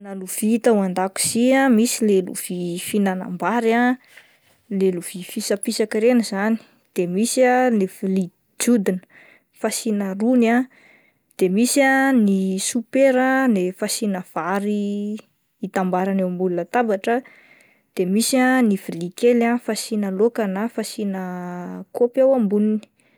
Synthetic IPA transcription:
naluv̥it̪awand̪aku̥z̥iamisilelṵv̥ifinana̰mbaɾa | leluv̥ifisapisakiɾenəzani̥ | d̪̥emisanifili | d͡ʒud̪inə̥ | fasinəruna | d̪̥emisianisupeɾənefasinəv̥aɾiː | t̪ambaɾanewmbulunət̪abaʈ͡ʂə | d̪̥emisianivilikelafasinəlokanafasinəkopawambunini̥

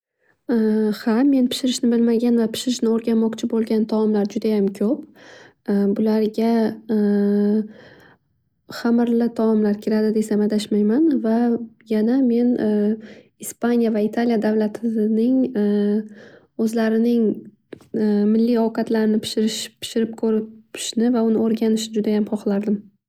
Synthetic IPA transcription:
hame̞npʰɪ̥ʃɪɾɪʃnɪbɪlmaɡʲanvapʰɪ̥ʃɪɾɪʃnɪoɾɡʲanmɒqt͡ʃʰɪbolˠɡʲant̪ʰɒɒmlaɾd͡ʒʊd̪ajamkʲʰɵp̚ | bʊlaɾɡʲa | χamɾlɪt̪ʰaɒmlaɾkʲʰɪɾad̪ɪd̪e̞samad̪aʃmajmanvajaname̞n | ispʰanijavait̪ʰalijad̪avlat̪ʰɪnɪŋ | ɵzlaɾɪnɪŋ | mɪlːijɒkʰat̪laɾɪnɪpʰɪ̥ʃɪɾɪʃpʰɪ̥ʃɪɾɪp̚kʰɵɾɪpʰɪ̥ʃnɪvaʊnɪoɾɡʲanɪʃnɪd͡ʒʊd̪ajamχɒχlˠaɾd̪ɪm

